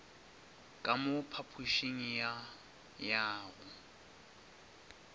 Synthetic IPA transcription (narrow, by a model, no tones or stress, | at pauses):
kʼamʊpʰapʰuʃeŋ̩ja | jaːɣʊ